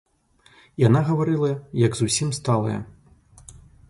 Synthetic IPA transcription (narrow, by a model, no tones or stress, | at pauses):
janaɣɐvaɾɨlˠɐjɐɡzusʲimst̪alˠɐ̰jɐ̰